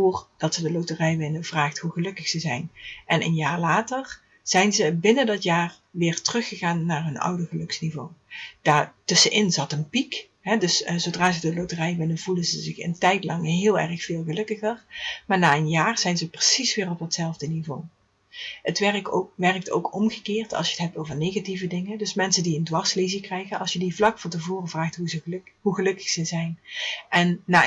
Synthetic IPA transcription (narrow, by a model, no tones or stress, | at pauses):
oːrd̥ɑtsədəlowtərɛjʋɪnənvraːxtɦuɣəlɵkəxsəzɛjnʔɛnʔə̰njaːrlaːtər | z̥ɛjnzəbɪnəndɑtjaːr | ʋɪːrtərɵxəɣaːnːaːrɦɵnʌ̰wdəɣəlɵksnivowd̥aːtɵsənʔɪnzɑtənpik | ɦɛdɵszodraːzədəlowtərɛjʋɪnənvulənzəzɪxə̰ntɛjtlɑŋɦɪːlˠɛ̰rəxfɪːlˠɣəlɵkəɣərmaːɹnaːənjaːrz̥ɛjnzəprəsisʋɪːrɔp̚dɑtsɛlˠvdənivow | ətʋɛrkokʋɛrək̚to̰wkɔmɣəkɪːrtʰɑ̰lˠsʃjəətɦɛp̚towvəɹnejɣativədɪŋədɵsmɛnsəndiəndʋɑɹslezikrɛjɣənɑ̰lˠsjədivlɑkfɑntəvoːrəvraːxtɦuzəɦuɣəlɵkə̥xsəzɛjnʔɛnːaː